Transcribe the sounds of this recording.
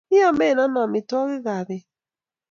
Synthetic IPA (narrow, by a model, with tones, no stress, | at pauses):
ɪ˦a˨me˦˨na˦na˨mɪ˨tɔ˦ɣɪ˦ɣa˨ɾɪ˨